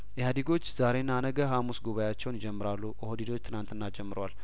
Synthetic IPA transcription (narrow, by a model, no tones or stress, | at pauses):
jɛhad̪iɡo̞t͡ʃːz̥aɾe̞nːanəɡəɦamusɡuβajat͡ʃːɛwnɪd͡ʒɛmːɨɾalːuəhod̪id̪o̞t͡ʃːt̪ʰɨnant̪ɨnːad͡ʒɛmːɨɾwal